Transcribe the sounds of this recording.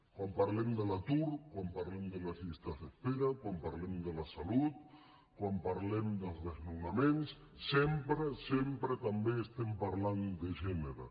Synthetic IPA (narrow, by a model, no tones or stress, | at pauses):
kwampaɾlemd̪əlat̪uɾkwampaɾlemd̪əlazist̪azðespeɾakwampaɾlemd̪əlasalut̪̚ | kwampaɾlemd̪əlzðeznunamẽnsː | empɾesempɾet̪ambeːst̪empaɾland̪eʒɛneɾa̰